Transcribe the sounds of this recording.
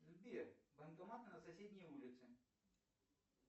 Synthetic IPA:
lʲbʲibɛnd̪ɔmat̪nɐsasʲed̪ʲnʲijulʲit̪sɨ

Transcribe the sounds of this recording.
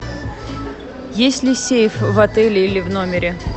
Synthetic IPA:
jesʲtʲlʲɪsʲejfvɐt̪ɛlʲɪilʲɪvno̞mʲɪɾʲɪ

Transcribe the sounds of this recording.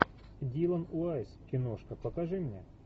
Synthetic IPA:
dʲilˠɐnʊasʲkʲɪnoʂkɐpəkɐʐɨmnʲḛ

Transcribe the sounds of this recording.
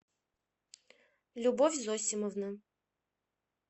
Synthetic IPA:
lʲubɔfʲzɔsʲɪməvnə

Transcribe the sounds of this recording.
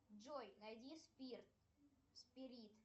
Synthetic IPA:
d͡ʒojnɐjdʲispʲirt̪ | spʲɪɾʲit̪

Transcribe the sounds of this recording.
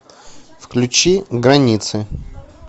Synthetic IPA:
fklʲʉt͡ɕiɡɾɐnʲit̪sɨ

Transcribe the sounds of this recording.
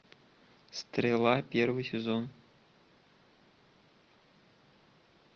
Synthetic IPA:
st̪rʲelˠɑpʲervɨjsʲezon

